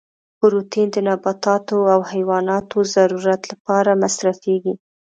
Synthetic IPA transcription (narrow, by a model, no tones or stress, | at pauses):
bʊɾut̪ind̪ənabat̪ɑt̪oawhajwɑnɑt̪ozaɾuɾat̪lapɑɾamasɾafeɡi